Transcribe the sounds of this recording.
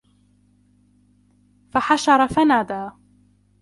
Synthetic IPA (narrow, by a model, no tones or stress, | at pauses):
faħaʃɑɾˤɑfanaːd̪aː